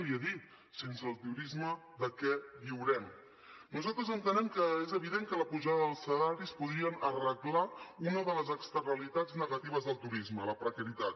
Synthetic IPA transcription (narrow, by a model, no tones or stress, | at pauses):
βiəðit̪̚ | sensəːlˠt̪iuɾizməðəkɛβiwɾɛm | nuzalˠt̪ɾəzənt̪ənɛmkəezəβ̞iðeŋkələpuʒaðəðəlˠsəlaɾispuðɾiənərəklaunəðələzəkst̪ərnəlit̪ad͡zznəɣət̪iβ̞əzðəlˠt̪uɾizmələpɾəkəɾit̪at̪